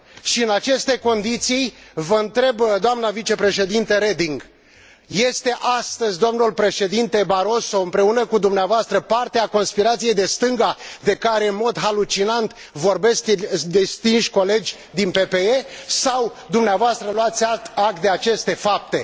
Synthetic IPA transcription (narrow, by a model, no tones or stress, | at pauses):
ʃiɨnat͡ʃe̞st̪e̞ko̞nd̪it̪sijvəɨnt̪ɾe̞bd̪oamnəvit͡ʃe̞pɾe̞ʃe̞d̪int̪əɾed̪iŋɡ | je̞st̪e̞ʔast̪əzʲd̪oomnulpɾe̞ʃe̞d̪int̪e̞baɾo̞so̞ɨmpɾe̞unəkud̪umneavoast̪ɾəpart̪eako̞nspiɾat̪sije̞jd̪e̞st̪ɨŋɡad̪e̞kaɾe̞ɨnmo̞d̪ɦalut͡ʃinant̪ | vo̞rbe̞sk̪ʲd̪est̪inʃʲko̞le̞d͡ʒʲ | d̪inpe̞pe̞esaw | d̪umneavoast̪ɾəloat̪sʲaak̚t̪̚d̪e̞at͡ʃe̞st̪e̞fap̚t̪e̞